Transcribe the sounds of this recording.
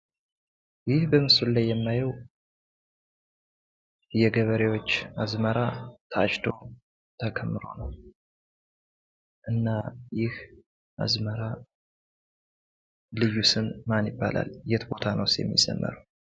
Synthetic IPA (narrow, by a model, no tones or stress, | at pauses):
jɪhbəmɨsullajːɛmːajɛw | jɛɡəβəɾewo̞t͡ʃːazməɾat̪ʰəat͡ʃt̪ʰo̞ | t̪ʰəkʰəmːɨɾo̞̰nəw | ʔɨnːajɪh | a̰zməɾa | lɨjːusɨnmanjɪbːa̰lʔa̰ljɛt̪ʰbo̞t̪ʰanəwsjɛ̰mːḭzə̰mːə̰ɾəw